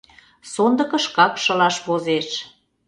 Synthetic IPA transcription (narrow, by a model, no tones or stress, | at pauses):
sond̪ə̆kə̆ʃkɑkʃə̆lɑʃβozeʃ